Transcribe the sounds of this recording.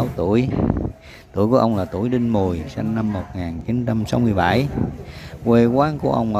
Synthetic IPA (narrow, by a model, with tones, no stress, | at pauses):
wt̪u˧˩əj | t̪ṵ˧˩əjku˧˩əʔə˧wŋ͡mlaː˨˩t̪ṵ˧˩əjɗï˧ŋmu˨˩jsa˧ŋːa˧mːo˨˩t̚ŋaː˨˩nt͡ɕi˨˦nt͡ɕa˧msa˨˦wmɨ˧əjɓa˧˩j | kwe˧kwaː˨˦nku˧˩əʔə˧wŋ͡mə˧